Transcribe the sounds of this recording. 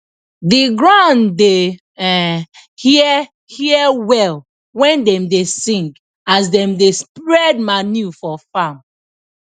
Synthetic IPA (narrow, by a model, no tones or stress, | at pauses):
diɡɹãnde | hi | hiɛwɛl | wɛ̃ndɛ̃mdesĩŋɡ | asdɛ̃mdespɹɛd̚manjufɔfãm